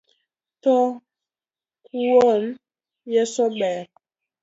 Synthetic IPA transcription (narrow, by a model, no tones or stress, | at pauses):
tɔ | kuwɔn | jɛsɔɓɛːɾ